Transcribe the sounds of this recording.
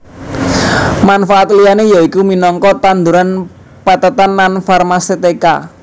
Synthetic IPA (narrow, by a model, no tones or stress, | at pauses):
manfaʔat̪lijanejaikuminɔŋkɔt̪and̪uɾan | pat̪at̪anlanfarmaset̪eka̰